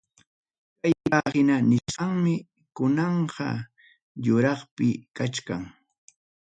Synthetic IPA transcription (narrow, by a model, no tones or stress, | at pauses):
kajahɪnanɪʃɢɑŋmɪ | kʊnɑɴɢɑ̰ | jʊɾɑχpɪkat͡ʃkaŋ